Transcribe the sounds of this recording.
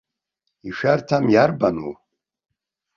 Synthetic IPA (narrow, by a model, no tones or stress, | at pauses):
iʃᶣartʰamjarbanṵ